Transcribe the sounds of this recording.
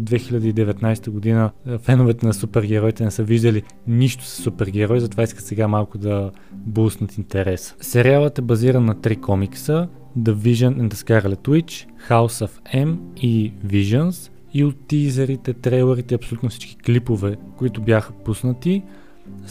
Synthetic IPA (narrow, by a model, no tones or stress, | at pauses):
d̪d̪vɛxilʲɐd̪əid̪ɛvɛt̪najst̪əɡʊd̪inəfɛnʊvɛt̪ɛnɐsupɛɾɡɛɾɔjt̪ɛnɛsəviʒd̪əli | niʃt̪ʊ̥sə̥sːupɛɾɡɛɾɔjzɐt̪ovaiskət̪sɛɡamalˠkʊd̪ɐ | busnət̪int̪ɛɾɛssɛɾialˠət̪ɛbɐziɾənːɐt̪ɾikʰɔmiksə | d̪əviʒənɛnd̪əskaɾlɛt̪wit͡ʃ | xaʊsəfɛmiviʒəns | iot̪ːizɛɾit̪ɛt̪ɾɛjlˠɛɾit̪ɛiɐpsolʲut̪nʊfsi̥t͡ʃki̥klipovɛkʊit̪ʊbjaxə̥pusnət̪i